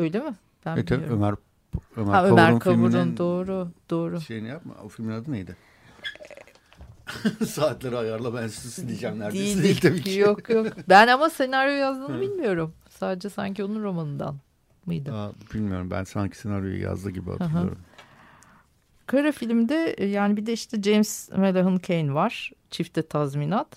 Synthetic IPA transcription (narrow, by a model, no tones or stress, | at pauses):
øjlʲemɪ | b̥æneit̪ʰɛiømæɾ | ømæaøamæɾnkʰauɾund̪o̞ːɾud̪̥oːɾuʃejnɛjapma̰ofilʲminad̪ɯnejd̪ɪ | saːt̪lʲˠaɾɯajaɾlˠabænszsid̪ʲid͡ʒæmnæɾd̪eiiilʲt̪ebijokjokbænamase̞naɾjojazd̪ɯːnɯbilʲmijo̞ɾum | saːd̪ed͡ʒɛsa̰ɲcionunɾo̞manɯnd̪a̰n | mujd̪ɯabilʲmijo̞ɾumbæ̰nsaɲcʰi̥senaɾjo̞̰jṵja̰zlˠɯɟibia̰taɦaḭo̰ | kʰaɾafilʲmd̪ɛjaːnibid̪ɛiʃt̪ʰɛd͡ʒejmsmelʲaɦɯncʰejnvaɾ̥t͡ʃʰift̪ʰɛt̪ʰazminat̪